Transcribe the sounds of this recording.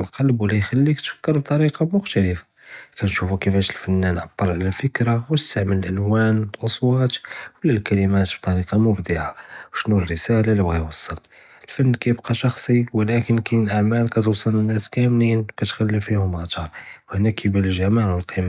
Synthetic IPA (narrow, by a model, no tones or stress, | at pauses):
lqɑlbwlijxælːikt̪fə̥kːəɾˤb̚t̪ˤɑɾiqɑmʊxt̪æləfa | kænʃufukəfæʃəlfænːænʕab̥ːəɾˤʕlæfəkɾawt̪əst̪aʕmələlʔælwænəlʔɑsˤwɑt̪wəlːælkælimæt̪b̥̚t̪ˤɑɾiqɑmʊbd̪iʕawʃnurəsælalibɣæjwɑsˤːəl | əlfænːkæjəbqɑʃɑxsˤiwəlækənkinəlʔaʕmælkæt̪wɑsˤːələnːæskæmninwkæt̪xælːifihʊmat̪ɑɾˤwhnækəbæləʒæmaʕwəlqʰim